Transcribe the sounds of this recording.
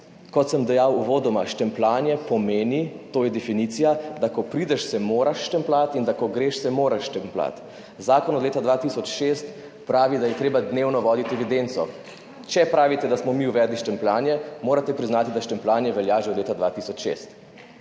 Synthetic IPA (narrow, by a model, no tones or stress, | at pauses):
kɔt̪səmd̪ɛjawuʋoːd̪ɔmaʃt̪ɛmplaːnjɛpɔmeːnit̪oːjɛd̪ɛfinit̪sijad̪akɔpɾid̪ɛʃsɛmoːɾaʃːt̪ɛmplat̪ind̪akɔɡɾeʃsɛmoːɾaʃʃt̪ɛmpla̰t̪ | zaːkɔnɔd̪leːt̪ad̪ʋat̪isɔt͡ʃʃeːst̪ | pɾaːʋid̪ajɛt̪ɾeːbad̪neːwnɔʋɔːd̪it̪ɛʋid̪ent̪sɔ | t͡ʃɛpɾaːʋit̪ɛd̪asmɔmiuʋɛd̪liʃt̪ɛmplaːnjɛmoːɾat̪ɛpɾiznaːt̪id̪aʃt̪ɛmplaːnjɛʋɛljaʒeɔd̪leːt̪ad̪ʋaːt̪isɔt͡ʃʃḛst̪